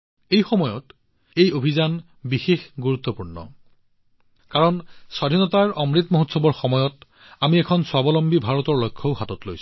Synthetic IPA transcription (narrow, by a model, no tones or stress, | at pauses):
ejxɔmɔjɔ̰t | ejobʱizan | bixexɡuɹut̪ːɔpuɹnɔ̰ | kaɹɔnsadʱinɔtaɹɔmɹit̪moɦotsɔbɔɹxɔmɔjɔt | amiɛkʰɔnswabɔlɔmbibʱaɹɔtɔɹlojkʰːɔʊhatɔtlojs